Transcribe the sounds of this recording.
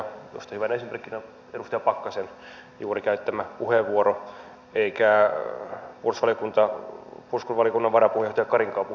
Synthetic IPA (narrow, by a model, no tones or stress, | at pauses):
jo̰st̪ɑ̥hyʋænesimerkːinɑ | edust̪ejɑpɑkːɑsenjuːrikæyt̪ːæmæpuheʋʋuoɾo | eikæ | pursʋɑljokunt̪ɑpurskulʋɑlijokunːɑʋʋɑɾɑpuhejɑst̪ɑjɑkɑriŋkɑːpu